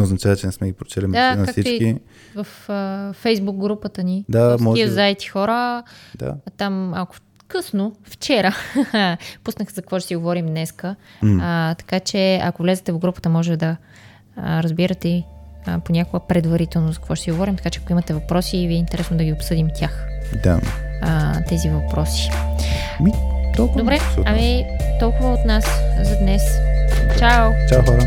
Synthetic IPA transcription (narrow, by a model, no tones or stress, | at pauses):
nɛoznɐt͡ʃavət͡ʃɛnɛsmɛɡʲipɾot͡ʃɛlʲimɛd̪ank̪aksit͡ʃ̪iki | vəfəːɛjzbuk̚ɡɾupət̪ənid̪amɔʒizaɛt̪i̥xɔɾəd̪a̰t̪amakʊ̥ | kɤsnoft͡ʃɛɾə | pusnəxzɐkkvɔt͡ʃɛsiɡovɔɾimnɛskə | t̪ɐ̥kat͡ʃɛɐ̰kovlɛzɛt̪ɛvɡɾupə̥t̪əmɔʒɛt̪ɛd̪ɐ | ɾɐzbiɾɐt̪ɛiponʲakoɡəpɾɛd̪vɐɾit̪ɛlˠnozɐkvɔt͡ʃɛ̥siɡovɔɾimt̪ɐkat͡ʃɛɐkoimɐt̪ɛvɐpɾɔsiviɛint̪ɛɾɛsnod̪ɐɡʲiopsɤd̪imt̪ʲjaxd̪a̰ | t̪ɛzivɐpɾɔsi̥ | mit̪ɔlˠkd̪obɾɛɐmi | t̪ɔlˠkʊvəot̪naszɐd̪nɛst͡ʃawt͡ʃawxaɾ